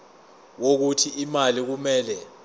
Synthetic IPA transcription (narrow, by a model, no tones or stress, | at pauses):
wok̬utʰiʔimalik̬umɛːlɛ